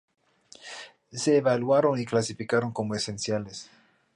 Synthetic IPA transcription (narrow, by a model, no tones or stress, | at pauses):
se̞ːβalwaɾoniklasifikaɾo̞ŋkomoesensjales